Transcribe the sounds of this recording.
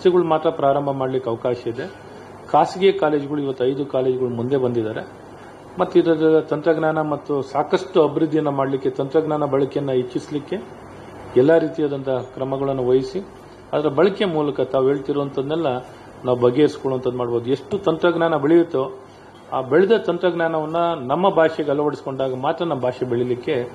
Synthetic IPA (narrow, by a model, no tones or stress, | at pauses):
siɡɐɭumaːt̪ɾɐpɾaːɾɐmbʱɐmaːɖlikːɐʋɐkaːʃɐid̪e̞ | kʰaːsiɡɛjɐkaːle̞ːd͡ʒiɡɐɭuiʋɐt̪ːuɐjd̪ukaːle̞ːd͡ʒiɡɐɭumund̪e̞bɐnd̪id̪aːɾe̞ | mɐt̪ːid̪ɐdilːɐt̪ɐnt̪ɾɐɡnaːnɐmɐt̪ːusaːkɐsʈuɐbʱiɾud̪ʱːijɐnːɐmaːɖlikːe̞t̪ɐnt̪ɾɐɡnaːnɐbɐɭɐkɛjɐnːɐit͡ʃːislikːe̞ | ɛlːaɾiːt̪ijaːd̪ɐnt̪ʰɐkɾɐmɐɡɐɭɐnːuʋɐjisi | aːd̪ɐɾɐbɐɭɐkemuːlɐkɐt̪aːʋuɦeːɭt̪iɾoʋɐnt̪ʰɐd̪nɛlːɐ | naːʋubɐɡːeːɾskoɭoɐnt̪ɐd̪umaːɖbo̞ːd̪ue̞ʂʈut̪ɐnt̪ɾɐɡnaːnɐbeɭijut̪ːu | aːbeɭid̪ɐt̪ɐnt̪ɾɐɡnaːnɐʋɐnːɐnɐmːɐbʱaːʂɛɡɐlːɐʋɐɽisko̞ɳɖaːɡɐmaːt̪ɾɐnːɐmbʱaːʂɛbeɭilikːe̞